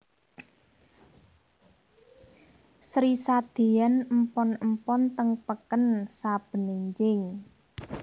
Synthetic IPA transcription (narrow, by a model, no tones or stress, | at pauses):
sɾisad̪̥i̤ɛnəmpɔnəmpɔnt̪əŋpəkənsab̥ə̤niɲt͡ʃɪŋ